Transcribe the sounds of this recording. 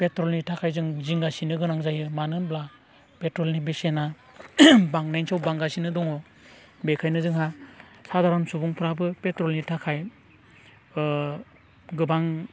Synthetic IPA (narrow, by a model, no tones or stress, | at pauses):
petɾɔlnitʰakʰajzɯŋziŋɡasinɯɡɯnaŋzajɯmanɯbla | petɾɔlnibesena | baŋnajnsawbaŋɡasinɯdɔŋɔ | bekʰajnɯzɯŋha | sadaɾɯmsubuŋpʰɾabɯpetɾɔlnitʰakʰaj | ɡɯbaŋ